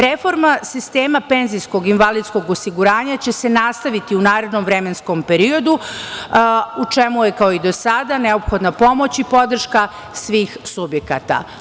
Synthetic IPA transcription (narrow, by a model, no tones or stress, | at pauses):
ɾefo̞ɾmasist̪eːmape̞nzijsko̞ɡinʋalid̪sko̞ɡosiɡuɾaːɲat͡ɕe̞se̞nast̪aʋit̪iunaːɾe̞d̪nomvɾe̞mensko̞mpe̞ɾio̞d̪u | ut͡ʃemujekaoid̪o̞sad̪ane̞o̞pxo̞d̪napo̞mo̞t͡ɕipo̞d̪r̩ʃka | sʋiːxsubjeka̰t̪a̰